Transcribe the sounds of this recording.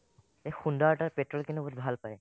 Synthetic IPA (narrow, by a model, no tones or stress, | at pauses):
exundaʈaɹpeʈɹɔlkinɛbʱut̪̚bʱalpaej